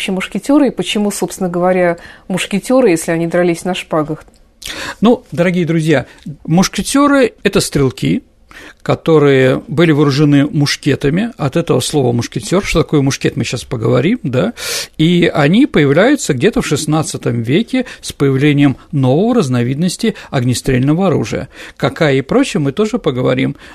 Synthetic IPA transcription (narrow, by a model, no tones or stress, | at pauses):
ɕɪmʊʂkʲɪtʲoɾɨɪpət͡ɕɪmusopst̪ʲɪnəɡəvɐɾʲamʊʂkʲɪtʲoɾɨjesʲlʲɪɐnʲid̪ɾɐlʲisʲnɐʂpaɡəx | nud̪əɾɐɡʲijəd̪ɾʊzʲjamʊʂkʲɪtʲoɾɨɛt̪əst̪ɾʲɪlˠkʲi | kɐt̪o̞ɾɨjəbɨlʲɪvɨɾʊʐɨnɨmʊʂkʲet̪əmʲɪɐt̪ɛt̪əvəslˠo̞vəmʊʂkʲɪtʲo̞rʂt̪ot̪ɐko̞jəmʊʂkʲet̪mɨɕaspəɡəvɐɾʲimd̪aiɐnʲipəjɪvlʲæjʊt̪səɡdʲet̪əfʂɨsnat̪sɨt̪əmvʲekʲɪspəjɪvlʲenʲɪjəmno̞vəvəɾəznɐvʲid̪nəsʲtʲɪɐɡnʲɪst̪ɾʲelʲnəvəɐɾṵʐɨ̰jə̰kɐkajəɪpɾo̞t͡ɕɪjəmɨt̪o̞ʐɨpəɡəvɐ̰ɾʲim